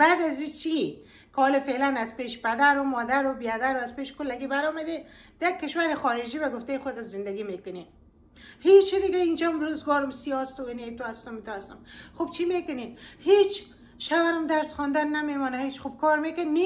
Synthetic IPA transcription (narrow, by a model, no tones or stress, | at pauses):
b̥aːd̪azit͡ʃi | kɪɔːlɪfelanazpeʃpad̪aɾʊmɔd̪aɾʊbijad̪aɾʊazpeʃkʊlːaɡibaɾɔmad̪ed̪jaɡ̚kːɪʃwaɾɪxɔɾɪd͡ʒibaɡʊft̪ajxʊd̪ɪzɪnd̪aɡimekʊne | het͡ʃid̪ɪɡaind͡ʒamɾuzɡɔːɾʊmsiɔst̪ʊenet̪ʊast̪ʊmit̪ʊast̪ʊmxubt͡ʃʰimekʊnehet͡ʃ | ʃawaɾʊmd̪aɾsχɔnd̪anːamemɔnahet͡ʃxub̚kɔɾmekanːe